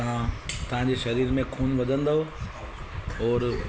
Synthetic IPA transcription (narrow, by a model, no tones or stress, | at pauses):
ãt̪ɐʋ̤ãɲd͡ʑeʃɐɾiːɾmẽkʰuːnʋɐd̪ʱə̃nd̪aɦo | ɦɔːɾ